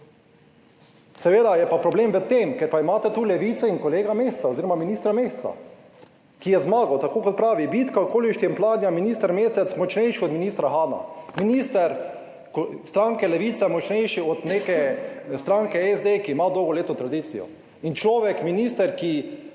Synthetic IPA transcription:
sɛʋeːd̪ajɛpapɾɔbleːmʋət̪ːeːmkɛɾpaimaːt̪ɛt̪uːlɛʋiːt̪sɛinkoleːɡameːxsaoziɾɔmaminiːst̪ɾameːxt͡s̪a̰ | kijɛzmaːɡawt̪akoːkɔt̪̚pɾaːʋibit̪kakoːliʃt̪iɛmplaːd̪nʲjaminist̪ɛɾmeːsɛt̪smɔt͡ʃnɛjʃiɔd̪miniːst̪ɾaɦaːna̰miniːst̪ɛɾ | kost̪ɾaːŋkɛlɛʋiːt̪sɛmɔt͡ʃnɛjʃiɔt̪nekɛst̪ɾaːŋkɛɛzd̪ekiːmaːd̪owɡɔleːt̪ot̪ɾad̪it̪sijɔ̰ | int͡ʃlɔːʋɛkminiːst̪ɛɾki

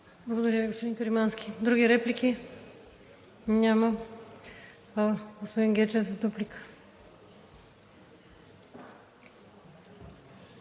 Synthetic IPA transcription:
blˠɐɡod̪oɾʲaviɡospod̪ĩnkoɾimanskʰʲi̥d̪ɾuɡiɾɛpliki | ɲʲamɐ | ɡospod̪inɡɛt͡ʃɛzɐd̪uplikʰə̥

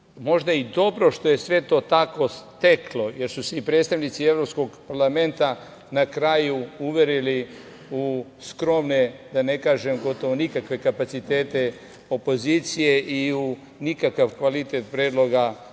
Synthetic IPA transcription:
mo̞ʒd̪aid̪o̞bɾo̞ʃt̪o̞je̞sʋe̞t̪o̞ːt̪ako̞st̪eklo̞je̞ɾsuseipɾe̞ːt̪st̪aʋnit̪sievɾo̞psko̞ɡpaɾlame̞nt̪a | nakɾajuuʋje̞ɾili | uskɾo̞mned̪ane̞kaːʒe̞mɡo̞t̪o̞ʋonikakʋe̞kapat̪sit̪e̞ːt̪e̞ | o̞po̞ziːt̪sijeʔiu | nikakaʋkʋalit̪et̪pɾeːd̪lˠo̞ɡa

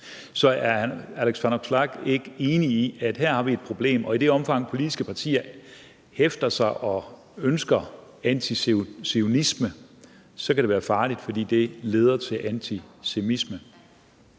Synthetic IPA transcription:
sɒ̽æɐæleɡ̥sfæno̥slɑɡ̥e̝ɡ̥əe̝ːniiʔæd̥ɦæɐ̰hɑ̈ʋied̥̚pʰʁo̝b̥le̝̰ːmɒ̽id̥e̝ɒ̽mfɑ̈ŋ̰pʰo̝lid̥isɡ̥əpʰɑ̈t͡sʰḭːɐ | hefd̥ɐsɑ̈ɪʔɒ̽ | ønsɡ̥ɐ | ænt͡sʰisseonismə | sɒ̽kʰædɾe̝ʋæːɐfɑ̈ːlid̥fɒ̽d̥ḭːd̥e̝le̝ːð̞ˠɐt͡sʰe̝lʔænt͡sʰisemismə

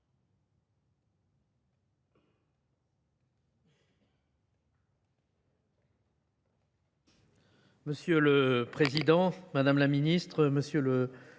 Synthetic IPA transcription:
məsjøləpχezid̪ɑ̃mad̪amlaminist̪χəməsjølə

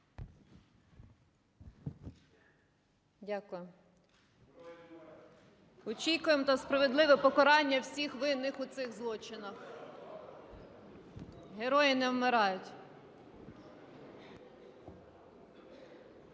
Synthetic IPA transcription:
dʲakʊjʊm | ɔt͡ʃʲikʊjemt̪ɐspɾɐʋe̞d̪lˠɪʋɛpɔkɔɾɑnʲːɐwsʲixʋɪnːɪxʊt̪sɪɣzlˠɔt͡ʃɪnɐx | ɦeɾɔjɪnɛwmɪɾɑjʊtʲ

